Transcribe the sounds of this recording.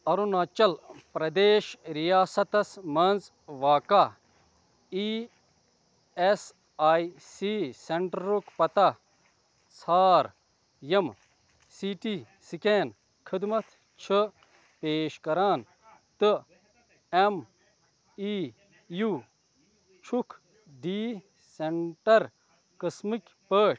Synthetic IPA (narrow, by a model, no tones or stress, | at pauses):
ɐɾunaːt͡ʃɐlpɾɐd̪eːʃɾijaːsɐt̪ɐsmɐnz | ʋaːka | i | es | aːjsiseɳʈːukpɐt̪a | saːɾ | jɐm | siʈi | sikeːn | kʰid̪mɐt̪ʰ | t͡ʃʰɨ | peːʃkɐɾaːn | t̪ɨ | em | i | ju | t͡ʃʰukʰ | ɖiː | seɳʈɐɾ | kɐsmikʲpəː